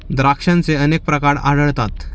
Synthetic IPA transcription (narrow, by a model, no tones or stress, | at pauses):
d̪ɾakʂãnt͡seənek̚pɾəkaɾaɽəɭt̪at̪